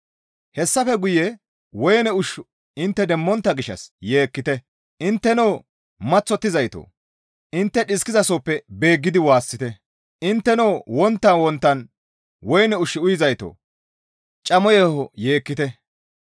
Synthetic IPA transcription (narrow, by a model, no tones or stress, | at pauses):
hɛsːɐfɛɡʊjɛ | wɔjnɛʊʃ | ɪnt̪ːɛd̪ɛmːɔnt̪ːɐɡɪʃːɐ̰sje̞ːkːɪt̪ɛ | ʔɪnt̪ːɛnoː | mɐt͡sːɔt̪ːɪzɐjt̪o̰ː | ʔɪnt̪ːɛɗɪskɪzɐsoːpːɛbe̞ːɡːɪd̪ɪwaːsːɪt̪ɛ | ʔɪnt̪ːɛnoːwɔnt̪ːɐnwɔnt̪ːɐn | wɔjnɛʊʃɪʊjɪzɐjt̪o̰ː | t͡ʃʼɐmɔjɛhɔje̞ːkːɪt̪ɛ